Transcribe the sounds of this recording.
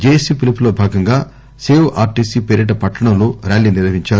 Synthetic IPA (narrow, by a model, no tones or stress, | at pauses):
d͡ʒeːsipiliplo̞ːbʱaːɡɐŋɡaː | seːwʔaːɾʈiːsiːpeɾiʈɐpɐʈːɐɳɐmloːɾaːɭːiːniɾɐʋiɲt͡ʃaːɾu